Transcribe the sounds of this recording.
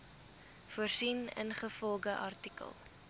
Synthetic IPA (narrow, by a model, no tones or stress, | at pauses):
fuərsinə̰nχəfɔlˠɡəʔɐrtikə̰lˠ